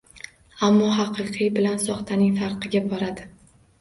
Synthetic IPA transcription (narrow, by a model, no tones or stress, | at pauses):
amːɒɦɑqʰɨqʰɨjbɪlansɒχt̪ʰanɪŋfaɾqʰɨɡʲabɒɾad̪ɪ